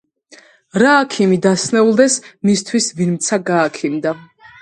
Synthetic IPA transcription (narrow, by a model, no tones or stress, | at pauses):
ɾaːkʰimid̪asnɛulˠd̪ɛsmist̪ʰwisvinmt̪sʰaɡaːkʰimd̪a